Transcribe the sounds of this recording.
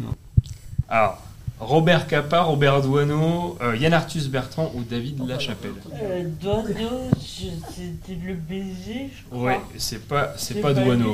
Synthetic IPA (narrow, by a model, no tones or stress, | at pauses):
alɔʁ | ʁɔbɛʁkapaʁɔbɛʁd̪wanojanaʁt̪ysbɛʁt̪χɑ̃ʔud̪avid̪laʃapɛld̪wano | set̪iləbezi | wɛsɛpasɛpad̪wano